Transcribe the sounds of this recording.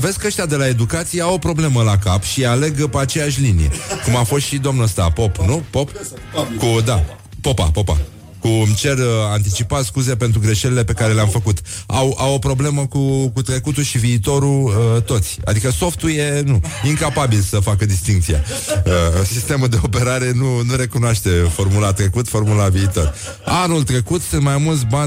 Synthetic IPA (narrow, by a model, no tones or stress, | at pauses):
ve̞skəʃt̪ʲad̪e̞lae̞d̪ukat̪sijeawo̞pɾo̞ble̞məlakapʃiale̞ɡpeat͡ʃe̞jaʃʲlinijḛkumafo̞st̪ʃid̪omnuəst̪apo̞pnupop | kud̪a | po̞pa̰po̞pa̰ | kuɨmt͡ʃe̞rant̪it͡ʃipat̪skuzepent̪ɾuɡɾe̞ʃe̞lile̞pe̞kaɾe̞leamfəkut̪awawo̞pɾo̞ble̞məkukut̪ɾe̞kut̪uʃiviːt̪o̞ɾuət̪o̞t̪sʲa̰d̪ikəso̞ft̪uje̞nuiŋkapabilsəfakəd̪ist̪iŋkt̪sija̰əsist̪e̞muld̪e̞o̞pe̞ɾaɾe̞nunuɾe̞kunoaʃt̪e̞fo̞rmulat̪ɾe̞kut̪fo̞rmulaviːt̪o̞r | anult̪ɾe̞kut̪sunt̪majmult̪s̬ʲban